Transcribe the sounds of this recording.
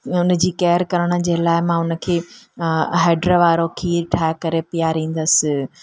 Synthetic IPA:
ʊnə̆d͡ʑiːkɛːəɾkɐɾəɽ̃ə̆d͡ʑeːlaːɪmãːʊnə̆kʰeː | ɦeːɖɾəʋaːɾokʰiːʈʰaːɪkɐɾepijaɾĩːn̆d̪əsɪ̆

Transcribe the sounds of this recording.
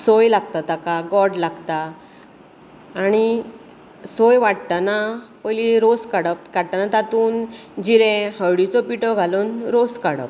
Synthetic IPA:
sojlaɡ̚t̪at̪akaɡɔɽlaɡt̪a | ɽ̃i | sojʋaɽt̪anapəjliɾoskaɽəp̚kaɽt̪anat̪at̪uːnd͡ʑiɾẽhəwɽit͡sɔpiʈɔɡʱalonɾoskaɽə̰p̚

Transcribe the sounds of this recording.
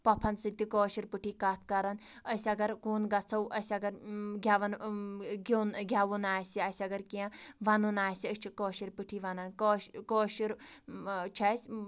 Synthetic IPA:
pɐpʰɐnsɨt̪ikoːʃiɾpɨʈʰiːkaːt̪ʰkɐɾɐnəsʲɐɡɐɾkuːnɡɐt͡sʰɐwʔɐsʲɐɡɐɾɡʲaʋɐnɡinɡʲaʋunaːsiɐsʲɐɡɐɾkiãʋɐnunaːsiət͡ʃʰikɔːʃiɾpɨʈʰiʋɐnɐnkokɔːʃiɾ | t͡ʃʰɐs

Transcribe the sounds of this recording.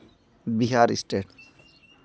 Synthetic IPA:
biɦaɾisʈeɖ

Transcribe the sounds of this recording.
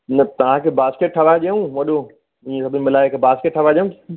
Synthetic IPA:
nɐt̪ɐʋ̤ãkʰeːbaːskeʈ̚ʈʰɐʋaːʄeũːʋɐɗo | ɪ̃ːẽsɐbʱɪnɪmɪlaːekʰebaːskeʈ̚ʈʰɐʋaːʄeũk

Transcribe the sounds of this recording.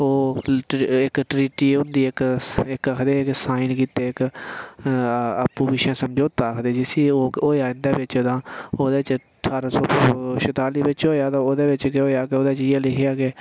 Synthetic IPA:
oː | ɪkʈɾiːʈiːʊnd̪iːɪkɪkəkʰd̪eːksaːinkiːt̪eːɪk | əpːuːbɪʃãːsəmd͡ʒoːt̪aːkʰd̪eːd͡ʒɪsiːoːoːeaːɪnd̪aːʋɪt͡ʃd̪ãːoːd̪eːt͡ʃ | ʈʰaːɾsɔːʃət̪aːliːʋɪt͡ʃɦoːjaːt̪ãːoːd̪eːʋɪt͡ʃkɦoːjaːkeoːd̪aːt͡ʃːjaːlɪkʰjaːke

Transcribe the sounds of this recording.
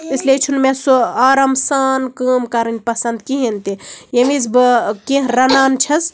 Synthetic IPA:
isliet͡ʃʰunmẽsuaːɾɐmsaːnkəːmkɐɾɨnʲpɐsɐnd̪̚kiɦent̪ijemizbɨkẽɦɾɐnaːnt͡ʃʰɐs

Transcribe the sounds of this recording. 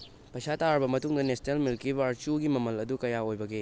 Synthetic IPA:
pɐjsataɾbɐmɐtuŋdɐnesnelmilkibaɾt͡ʃuɡimɐmɐlɐdukɐjaojbɐɡe

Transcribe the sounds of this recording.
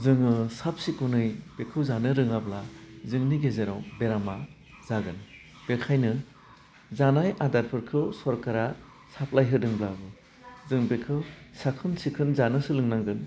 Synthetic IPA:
zɯŋɯsap̚sikunɯjb̥ekʰɯwzanɯɾɯŋablazɯŋniɡezeɾɔwbeɾama | z̥aɡɯn | b̥ekʰajnɯ | zanajʔadaɾpʰɯɾkʰɯwsɔɾkaɾa | sap̚lajɦɯdɯŋblabɯ | zɯŋbekʰɯwsakʰɯnsikʰɯnzanɯsɯlɯŋnaŋɡɯn

